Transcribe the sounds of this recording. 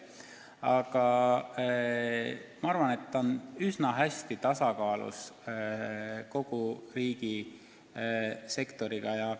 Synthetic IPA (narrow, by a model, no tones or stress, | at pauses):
ɑɡ̥ɑ | mɑɑɾvɑne̞t̪ːɑonysnɑɦæst̪it̪ɑsɑkɑːlṵs | ko̞ɡ̥uriːɡ̥i | se̞kt̪o̞ɾiɡ̥ɑjɑ